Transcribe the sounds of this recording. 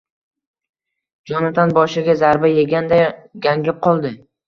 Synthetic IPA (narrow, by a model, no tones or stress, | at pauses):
d͡ʒɒnat̪ʰanbɒʃɪɡʲazaɾbajeɡʲand̪aɡʲaŋɡʲɪp̚qʰɒlˠd̪ɪ